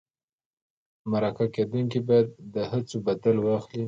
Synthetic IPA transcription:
maɾakaked̪uŋkibɑjad̪̚ːəhat͡sobad̪alwɑxli

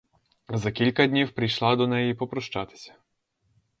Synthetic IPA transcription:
zɐkʲilʲkɐd̪ʲnʲiwpɾʲijʃlˠɑd̪ɔnɛjipɔpɾɔʃt͡ʃɑt̪ɪ̥sʲɐ̥

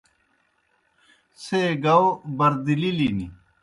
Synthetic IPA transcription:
seɡɐobɐɾd̪ililinḭ

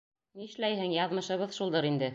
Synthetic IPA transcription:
niɘ̆ʃlæjhɘŋjɑðmɤ̆ʃɤ̆βɤðʃulˠd̪ɤɾind̪ɘ

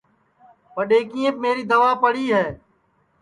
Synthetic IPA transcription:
pəɗeːkiːə̃p̚meːɾiːd̪əʋaːpəɽiːɦɛː

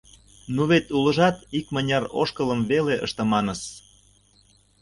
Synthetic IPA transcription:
nuβet̪ulə̆ʒɑt̪ikmənʲɑro̰ʃkɤləmβeleʔə̰ʃt̪ə̆mɑnəs

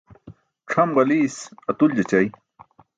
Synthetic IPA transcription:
ʈ͡ʂʰɐmɢɐliːsɐt̪uld͡ʑɐt͡ɕaj

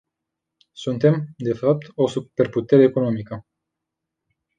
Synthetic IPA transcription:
sunt̪e̞md̪e̞fap̚t̪o̞supe̞rput̪e̞ɾe̞ːko̞no̞mikə

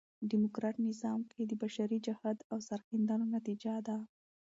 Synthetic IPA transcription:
ɖimokɾɑʈnɪzɑmkʰed̪əbaʃaɾid͡ʒahad̪awsaɾxɪnd̪ɑnonat̪id͡ʒad̪a

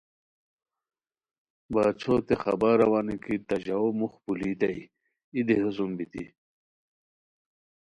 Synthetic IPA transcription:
baːt͡sʰot̪exɐ̰baːɾɐwaːnikit̪ɐʑaomuxpuliːt̪ɐi | id̪eɦusumbit̪ḭ

